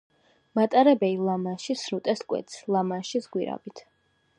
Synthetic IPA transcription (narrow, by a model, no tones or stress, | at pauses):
mat̪ʼaɾɛbɛlilˠamanʃisɾut̪ʼɛskʼwɛ̰t̪slˠamanʃisɡwiɾa̰bit̪ʰ